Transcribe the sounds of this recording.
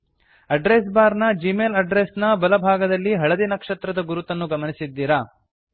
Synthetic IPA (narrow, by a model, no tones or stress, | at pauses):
ɐɖɾes̬baːɾnɐd͡ʒimeːlɐɖɾesnɐbɐlɐbʱaːɡɐd̪ɐlːiɦɐɭɐd̪inɐkʂɐt̪ɾɐd̪ɐɡuɾut̪ɐnːuɡɐmɐnisid̪ːiːɾaː